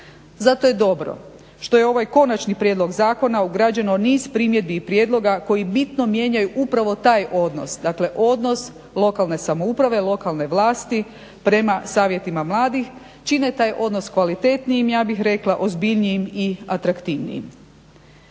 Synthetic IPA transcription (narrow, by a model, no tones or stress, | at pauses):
zat̪o̞je̞d̪o̞bɾo̞̰ | ʃt̪o̞jeo̞ʋajko̞nat͡ʃnipɾje̞d̪lo̞ɡzaːko̞nauɡɾad͡ʑenoniːz̥pɾimje̞d̪̚biːpɾjed̪lo̞ɡako̞jibit̪no̞mjeɲajuʔupɾaʋo̞t̪aːjʔo̞d̪no̞̰sd̪akle̞ʔo̞d̪no̞s | lˠo̞kalˠne̞samo̞upɾaʋe̞lˠo̞kalˠne̞ʋlˠaːst̪i | pɾe̞masaːʋje̞t̪imamlˠaːd̪ix | t͡ʃine̞t̪aːjʔo̞d̪noskʋalit̪e̞t̪nijimjaːbixɾe̞klˠaʔo̞zbiʎniimiat̪ɾakt̪iʋnḭḭm